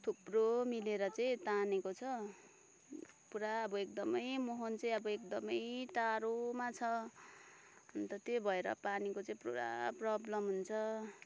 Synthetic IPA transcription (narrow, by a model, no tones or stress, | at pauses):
t̪ʰubromileɾʌt͡saĩt̪anekot͡sʰʌ | puɾaʌbʌek̚d̪ʌmʌjmoɦʌnt͡sʌĩʌbʌekd̪ʌmʌjt̪aɾomat͡sʰʌ | unt̪ʌt̪ebʱʌeɾʌ̰panikot͡saĩpro̰ɾa̰prʌblʌmɦunt͡sʰʌ